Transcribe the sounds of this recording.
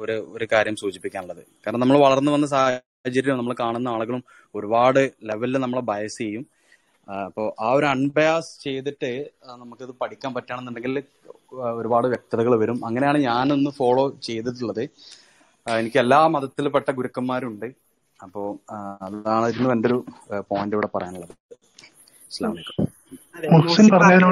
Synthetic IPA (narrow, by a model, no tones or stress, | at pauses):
oɾuoɾukaːɾjɐmsuːt͡ɕipːikʲːaːnuɭːɐðɨkaːɾɐnɐnɐmːɐɭʋɐɭɐrnːɨʋɐnːɨs̬aːh | at͡ɕɐɾijɐmnɐmːɐɭkaːɳunːɐaːɭuɣɐɭum | o̞ɾubaːɽɨle̞ʋɐlilnɐmːɐɭbʱɐjɐsɨt͡ɕejːum | ɐpːo̞ːʔaːo̞ɾɐɳbɐjaːst͡ɕe̞jt̪̬iʈːɨnɐmukːiðɨpɐʈʰikʲːaːmpɐtːaːɳɐenːuɳɖe̞ŋɡil | o̞ɾubaːɽɨʋjek̚t̪ɐðɐɣɐɭʋɐɾumɐŋːɐne̞jaːɳɨɲaːnonːɨfo̞ːɭo̞ːt͡ɕe̞jt̪̬iʈ̬ːuɭːɐðɨ | e̞nikʲːɨelːaːmɐðɐt̪ːilpeʈːɐɡuɾukːɐmːaːɾuɳɖɨ | ɐpːo̞ːɐlːaːɳɐðiɾinːɨʋɐndo̞ɾupoːjndɨiʋiɽe̞pɐrɐ̰jaːnuɭːɐð | isla̰ːmmikːɐ | muslinpɐrɐɲːaːðina